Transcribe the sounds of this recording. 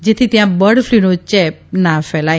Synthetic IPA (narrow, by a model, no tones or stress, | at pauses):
d͡ʒet̪ʰit̪jãbəɽflinot͡ʃɛp̚nafɛla